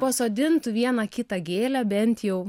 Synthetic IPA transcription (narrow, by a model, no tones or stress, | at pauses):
pɐsoːd̪ʲɪnt̪ʊʋʲiɛnɑkʲɪt̪ɑɡʲeːlʲæbʲɛnʲt̪ʲjɛʊ